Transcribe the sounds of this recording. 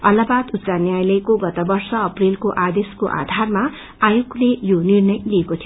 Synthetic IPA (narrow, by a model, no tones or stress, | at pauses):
ʌlabad̪ut̪t͡sanjajlʌjkoɡʌt̪ʌbʌrsʌʌprelkoʔad̪eskoʔa̰d̪ʱarma | ajuklejonirnʌjliekot̪ʰijo